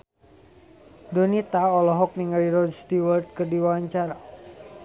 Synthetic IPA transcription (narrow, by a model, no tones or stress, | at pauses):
donit̪aɔlɔɦɔk̚niŋaliɾɔd͡ʒst̪iwərt̪̚kɨrdiwaaɲt͡ʃaɾa